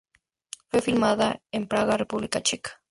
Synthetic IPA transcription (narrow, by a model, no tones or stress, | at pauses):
fwefilmaðaempɾaɣarepuβlikat͡ʃɛkḁ